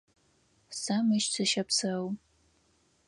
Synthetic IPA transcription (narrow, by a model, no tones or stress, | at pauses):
samɨʃt͡sʰɨʃɐpsɐw